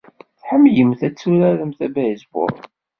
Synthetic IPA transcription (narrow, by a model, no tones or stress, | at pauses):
θħəmːjəmθæt͡sːuɾæɾəmθæbæjəzbʊ̰ɾ̰ˤn